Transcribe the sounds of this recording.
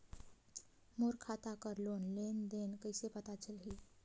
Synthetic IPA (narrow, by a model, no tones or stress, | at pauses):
moɾkʰat̪akəɾlonlend̪enkəjsepət̪at͡ʃəlɦi